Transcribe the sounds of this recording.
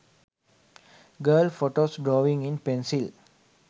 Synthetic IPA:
ɡəːlfoʈoːsɖɾoːʋĩŋĩnpẽnsil

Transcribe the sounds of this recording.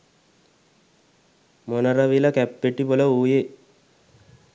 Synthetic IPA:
monəɾəʋiləkæpːeʈiboləuːje

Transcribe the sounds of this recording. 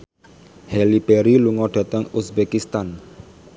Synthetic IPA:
hɛlib̥ɛɾiluŋɔɖ̥a̤t̪əŋusbekist̪an

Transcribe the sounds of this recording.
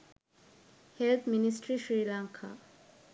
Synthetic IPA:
helt̪ʰminisʈɾiʃɾilaŋkʰa̰

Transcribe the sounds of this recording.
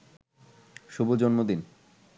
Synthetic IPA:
ʃubud͡ʑonmod̪in

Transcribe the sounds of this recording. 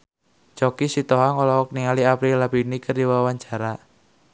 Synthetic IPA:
t͡ʃɔkisit̪ɔɦaŋɔlɔwɔk̚niŋaliapɾilapinikərdiwawaɲd͡ʒ̥a̤ɾa

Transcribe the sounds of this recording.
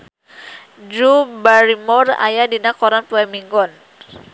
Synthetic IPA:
d͡ʒubaɾimɔra̰jadinakɔɾanpuɛmiŋɡɔn

